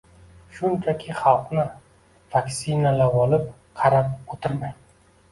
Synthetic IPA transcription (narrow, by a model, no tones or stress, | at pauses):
ʃʊnt͡ʃʰakʲʰɪχɑlˠqnɪ | v̥akʲsinalavɒlɪp̚ | qʰɑɾap̚ot̪ʰɪɾmaj